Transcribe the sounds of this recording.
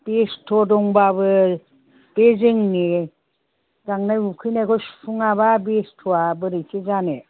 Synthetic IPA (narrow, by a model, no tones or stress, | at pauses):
b̥estʰɔdɔŋbabɯ | b̥eziŋni | ɡaŋnajukʰɯjnakɔspʰuŋaβabestʰɔabɯɾitʰezane